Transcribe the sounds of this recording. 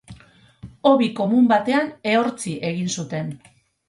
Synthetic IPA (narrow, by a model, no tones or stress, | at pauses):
o̞βiko̞mumbat̪e̞ane̞o̞ɾt͡siʔe̞ɣ̞insut̪e̞n